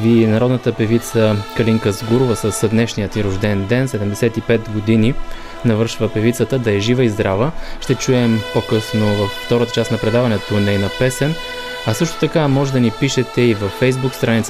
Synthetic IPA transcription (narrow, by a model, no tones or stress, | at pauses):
viɛnɐɾɔd̪nət̪əpɛvit̪səkɐliŋkəzɡuɾʊvəsəsd̪nɛʃnijət̪iɾʊʒd̪ɛnd̪ɛnsɛd̪ɛmd̪ɛsɛt̪ipɛt̪ɡod̪ini | nɐvɤɾʃvəpɛvit̪sət̪əd̪ɐɛʒivəizd̪ɾavəʃt̪ɛt͡ʃuɛmpokɤsnovɐfːt̪ɔɾət̪ət͡ʃasnɐpɾɛd̪avɐnɛt̪onɛɛnɐpɛsɛn | ɐsɤʃt̪o̥t̪ɐkamɔʒɛd̪ɐnipiʃɛt̪ɛivɐfːɛjzbukst̪ɾanit̪s